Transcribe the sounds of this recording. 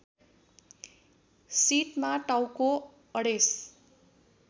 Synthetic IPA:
sit̪maʈawko | ʌɽes

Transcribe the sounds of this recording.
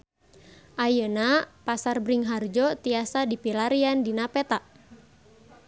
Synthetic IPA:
ʔajənapasarbɾiŋɦard͡ʒɔt̪iasadipilaɾiandinapɛt̪aʔ

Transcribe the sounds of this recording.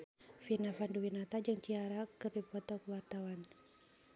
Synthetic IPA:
finafanduwinat̪ad͡ʒɨŋt͡ʃiaɾakɨrdipɔt̪ɔkuwart̪awan

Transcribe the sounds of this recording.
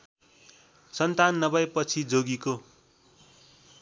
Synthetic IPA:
sʌnt̪anːʌbʌjpʌt͡sʰid͡zoɡiko

